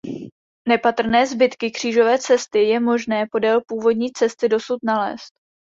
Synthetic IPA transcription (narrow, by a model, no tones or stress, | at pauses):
nɛpat̪r̩nɛːzbɪt̪kɪkr̥iːʒo̞vɛːt͡sɛst̪ɪjɛmo̞ʒnɛːpo̞dɛlpuːvo̞dɲiːt͡sɛst̪ɪdo̞sut̪nalɛ̰ːst̪̚